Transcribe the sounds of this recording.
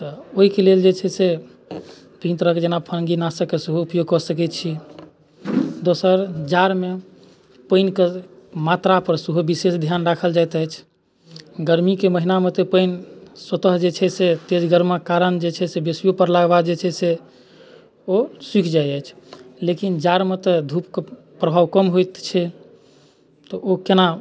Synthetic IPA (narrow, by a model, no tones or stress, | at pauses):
t̪ɔoɦikeleld͡ʒet͡ʃʰɛse | bʱĩnt̪ɾəkd͡ʒenapʰənɡinasəkːesuɦuupjoɡ̚kɔsəkɛt̪̚t͡ʃʰi | d̪osəɾd͡ʒaɾme | pənkemat̪ɾapəɾsuɦubisesd̪ʱjanɾakʰəld͡ʒajt̪əjt͡ʃʰ | ɡəɾmikeməɦinamet̪epəɪnsət̪əɦd͡ʒet͡ʃʰɛset̪ed͡ʒɡəɾmakaɾənd͡ʒet͡ʃʰɛsebesijopəɾlaɡbad͡ʒet͡ʃʰɛse | osikʰd͡ʒajəjt͡ʃʰlekind͡ʒaɾmet̪ed̪ʱupk | pɾəbʱaʋkəmɦojt̪t͡ʃʰɛ | t̪ɔʔokena